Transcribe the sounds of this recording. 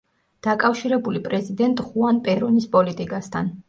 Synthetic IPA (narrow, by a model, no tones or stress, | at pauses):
d̪̥akʼafʃiɾɛbulipʼɾɛzid̪ɛnt̪ʼχuanpʼɛɾɔnispʼɔlit̪ʼikʼast̪ʰan